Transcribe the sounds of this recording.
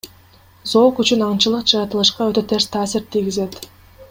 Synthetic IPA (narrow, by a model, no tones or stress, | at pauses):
zo̞ːkyt͡ʃynɑɴt͡ʃɯlˠɯqd͡ʒɯɑt̪ɯlˠɯʃqɑøt̪ø̞t̪ʰe̞ɾst̪ʰaːsiɾt̪ʰijɡize̞t̪